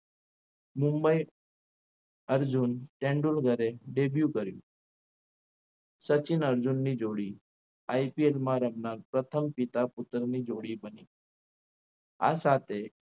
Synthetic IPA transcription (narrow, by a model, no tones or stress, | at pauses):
mumbəj | əɾd͡ʑuːnʈẽɳɖulɡʱəɾeɖebjukəɾjṵ | sət͡ɕinəɾd͡zunːiːd͡zoɽiː | ajpielmaɾəmnaɾpɾət̪ʰəmpit̪aput̪ɾniːd͡zoɽiːbəni | a̰sat̪ʰe